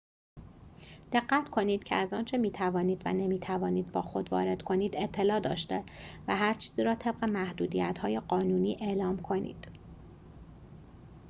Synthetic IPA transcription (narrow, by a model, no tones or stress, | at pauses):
d̪̥e̞ɢːæt̪ʰkʰo̞niːd̪̥cʰḛæzɒːnt͡ʃʰe̞miːt̪ʰævɒːniːd̪væ̰nemiːt̪ʰævɒːniːd̪̚bɒːxo̞d̪vɒ̰ːɾe̞d̪̥kʰo̞niːd̪e̞t̪ʰːe̞lɒːd̪ɒ̰ːʃt̪e̞væɦæɾt͡ʃʰiːziːɾɒːt̪ʰe̞b̥ɢe̞mæhd̪uːd̪ijæt̪hɒːje̞ɢɒːnuːniːʔe̞ʔlɒːmkʰo̞nḭːd̪̥